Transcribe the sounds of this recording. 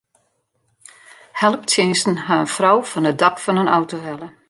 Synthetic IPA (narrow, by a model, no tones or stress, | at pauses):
hɛlˠəp̚tʰjɪnsn̩ɦaənfrɔwfɔnədɑkfɔnənawtoɦɛlˠə